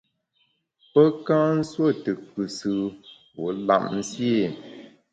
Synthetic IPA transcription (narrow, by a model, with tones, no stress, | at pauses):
pə˦kã˦n̩˦swo˦˨tɨ˨kɨ˨sɨ˨wo˨˦la̰˦˨mn̩˦sje˦˨